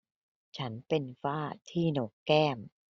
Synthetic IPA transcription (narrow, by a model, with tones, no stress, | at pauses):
t͡ɕʰa˦˥npe˧nfaː˥˩t̪ʰiː˥˩no˦˥kːɛː˥˩m